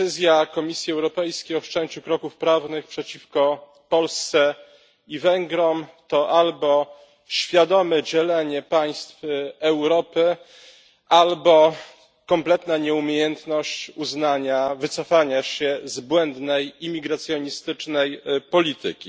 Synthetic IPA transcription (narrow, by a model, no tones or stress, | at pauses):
ɘzʲjakɔmʲisʲjiɛwɾɔpɛjskʲejɔt͡ʂɛɲt͡ɕukɾɔkufpɾavnɘxpʂɛt͡ɕifkɔ | pɔlst̪sɛ | ivɛŋɡɾɔmt̪ɔʔalbɔ | ɕfʲjad̪ɔmɛd͡ʑɛlɛɲɛpaj̃st̪fɛwɾɔpɘ | ʔalbɔ | kɔmplɛt̪naɲɛumʲjejɛnt̪nɔɕt͡ɕuznaɲavɘt̪sɔfaɲaɕɛzbwɛnd̪nɛjimʲiɡɾat̪sʲjɔɲist̪ɘt͡ʂnɛjpɔlʲit̪ɘ̰kʲi